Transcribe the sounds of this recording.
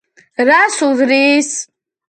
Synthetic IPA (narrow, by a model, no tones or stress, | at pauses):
ɾasuzɾis